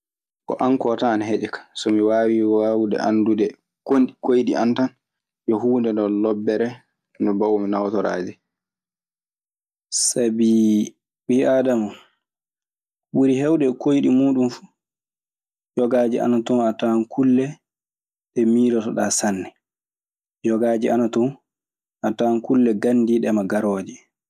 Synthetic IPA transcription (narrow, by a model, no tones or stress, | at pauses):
kɔ̰ʔankɔtaːnɦeɗɛkḁsɔmiwaːwiawudɛ̰ʔa̰ndudɛ | konɗikojɗḭʔantan | jɔɦuːndɛndɔlɔbːɛɾɛ | nɔbawminawtɔɾa̰ːd͡ʒɛ | sabi | biʔaːdamu | ɓuɾiɦɛwɗɛkojɗimuːɗumfu̥ | jɔɡaːd͡ʒiʔa̰natɔnatankʰulːɛ | ɗɛmiːɾɔtɔɗaːsanːɛ | jɔɡaːd͡ʒiʔanatɔn | ʔatankulːɛɡandiɗɛmaɡaɾɔːd͡ʒɛ